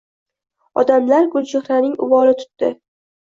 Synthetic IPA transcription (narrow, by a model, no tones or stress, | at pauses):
ɒ̰d̪amlaɾɡʊld͡ʒeχɾanɪŋʊ̰vɒlɪt̪ʰʊ̥t̪ːɪ